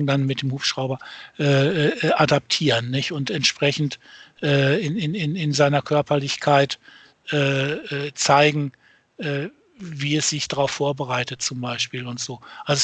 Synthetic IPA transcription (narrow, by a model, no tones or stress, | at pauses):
danmɪt̚d̥eːmhuːpʃʁ̥aʊbɐʔɛːʔʔadap̚tʰiːʁənːɪçtʊntɛntʃpʁ̥ɛçn̩tʔɛːɪnɪnɪnɪnzaɪnɐkʰœɐpɐlɪçkʰaɪt | ʔɛːɛːt͡saɪɡŋ̩ | ʔɛː | viːɛsz̥ɪçd̥aʁaʊfːoːɐbəʁaɪtət̚t͡sʊmbaɪʃpiːlʊntz̥oːʔalz